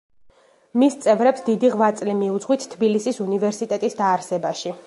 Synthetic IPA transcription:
mist̪sʼɛvɾɛpsd̪id̪iʁvat̪sʼlimiud̪zʁwit̪ʰt̪ʰːbilisisunivɛɾsit̪ʼɛt̪ʼisd̪aːɾsɛbaʃi

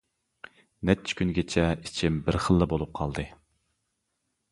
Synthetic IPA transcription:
nɛt͡ʃʰɪ̥kʲynɡʲet͡ʃʰɛit͡ʃʰimbɪɾχəlˠːɨbolˠup̚qʰɑlˠd̪ɨ

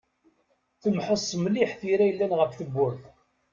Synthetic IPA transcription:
θəmħəsˤːmliħθiɾæjəlːænʁəfθəbːʊɾθ

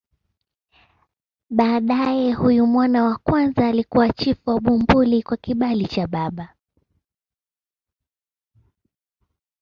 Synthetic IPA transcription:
ɓaːɗajɛhujumwɔnawakwanzaːlikuwat͡ʃifuwaɓumbulikwakiɓalit͡ʃaɓaɓa

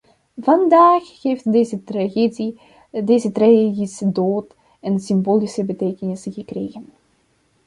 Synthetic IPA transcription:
vɑndaːxheːftːz | deːzətraedisədoːt | ɛnsimboːlisəbəteːkənɪsɣəkrḛːɣən

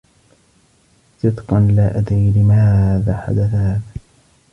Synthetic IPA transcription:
sɨd̪qɑnlaːʔad̪ɾiːlɪmaðaːħa̰d̪aθahaːðaː

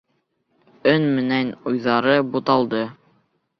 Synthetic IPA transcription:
ɵnmɘ̆nænujðɑɾɤbut̪ɑlˠd̪ɤ

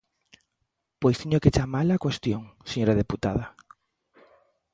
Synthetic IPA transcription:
pojst̪iɲoket͡ʃamalakwest̪joŋseɲoɾaðeput̪aða

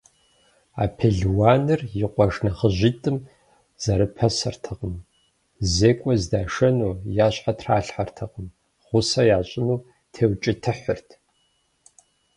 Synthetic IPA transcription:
a̰ːpʰeɮwaːnɨrjɪqʷʼɔʒnɐχəʑitʼɨm | z̥ɐɾɨpʰɐsɐrtʰɨqəm | zeːkʷʼɔzdaːʂɐnuːjaːɕħatʰraːɬħartʰɨqəm | χʷʊsɐjaːɕʼɪnuː | tʰeːwt͡ʃʼɪtʰɨħərtʰ

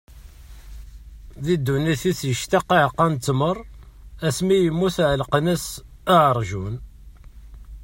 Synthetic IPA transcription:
ðid̪ːunːiθiθjəʃt̪ɑqːiʕqːænt̪ːmərˤ | æsmijəmːuθʕlqnəs | aʕəɾˤʒun

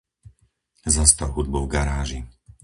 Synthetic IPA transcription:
zast̪alɦud̪̚bɔʊvɡaɾaːʒi

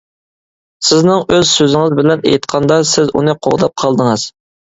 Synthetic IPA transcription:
sɪznɪŋøzsøzɪŋɨzbɪlɛnḛjt̪qʰɑnd̪ɑsɪzṵnɨqʰo̰ʁd̪ɑp̚qʰɑlˠd̪əŋɨz̥

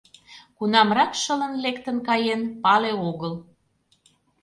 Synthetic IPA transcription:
kunɑmrɑkʃələ̆nlekt̪ənkɑjenpɑleoɣəl

